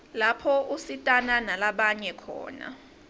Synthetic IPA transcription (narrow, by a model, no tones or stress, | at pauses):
lapʰɔusitʼananalaɓaɲɛkʰɔ̰ːna̰